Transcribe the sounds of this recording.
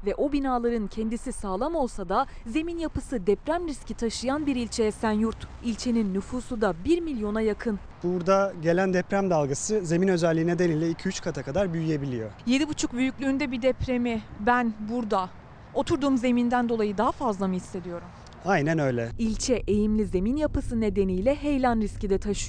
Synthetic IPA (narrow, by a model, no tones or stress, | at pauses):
vɛʔo̞binaːlˠaɾɯncʰɛnd̪isisaːlˠamo̞lˠsad̪a | ze̞minjapɯsɯd̪ɛpɾæmɾiscit̪ʰaʃɯjanbiɾilʲt͡ʃʰe̞jɛsænjuɾt̪ilʲt͡ʃʰe̞ninːyfuːsud̪abiɾmilʲjo̞najakʰɯn | b̥uɾd̪aɟe̞lʲænd̪ɛpɾæmd̪alˠɡasɯze̞minø̞zɛlʲːiːnɛd̪enilʲːɛicʰiyt͡ʃkʰat̪ʰakʰad̪aɾbyjyje̞bilʲijo̞je̞d̪ibut͡ʃʰuk̚byjycʲlʲyːnd̪ɛbid̪ɛpʰɾe̞mibænbuɾd̪a | o̞t̪ʰuɾd̪uːmze̞mind̪ænd̪o̞lˠajɯd̪aɦafazlˠamɯhisːe̞d̪ijo̞ɾum | ajnænø̞jlʲɛilʲt͡ʃʰɛʔejimlʲize̞minjapɯsɯne̞d̪e̞nijlʲɛɦejlʲanɾiscid̪ɛt̪ʰaʃɯjo